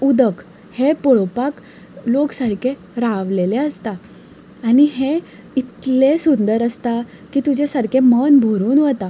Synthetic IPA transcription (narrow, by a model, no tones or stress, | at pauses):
ud̪ək | hepɔɭopak | loksaɾkʰe | ɾaʋleleəst̪aː | niɦe | it̪lesund̪əɾəst̪a | kiːt̪ud͡ʑʱesaɾkʰemənbʱoɾuːnʋət̪a